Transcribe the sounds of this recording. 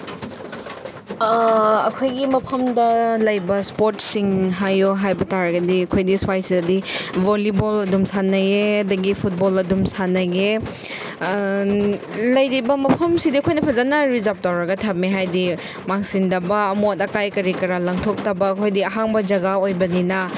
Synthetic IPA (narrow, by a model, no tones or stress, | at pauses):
ɐkʰojɡimɐpʰɐmdɐlɐjbɐspoɾtsiŋɦajoɦajbɐtaɾɐɡɐdiɐkʰojdiswajsidɐdibolibolɐdumsanɐjeɐdɐɡipʰut̚bolɐdumsanɐɡe | lɐjɾibɐmɐpʰɐmsidiɐkʰojnɐpʰɐzanɐɾizap̚tawɾɐɡɐtʰap̚miɦajdi | maŋsindɐbɐːmotɐkajkɐɾikɐɾalɐŋtʰok̚tɐbɐːkʰojdiɐɦaŋbɐd͡ʒɐɡaojbɐninɐ